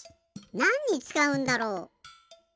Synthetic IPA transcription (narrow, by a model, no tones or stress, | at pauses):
nãɲ̟ːit͡sɨ̥kaɯ̟̃nd̪aɾoː